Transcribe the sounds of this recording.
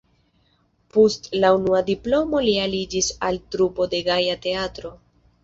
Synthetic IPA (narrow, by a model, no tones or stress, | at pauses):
postlaunuadiplo̞mo̞lialid͡ʒisaltɾupo̞de̞ɡajate̞atɾo̞